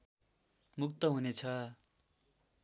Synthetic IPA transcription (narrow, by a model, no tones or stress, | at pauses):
muk̚t̪ʌɦunet͡sʰʌ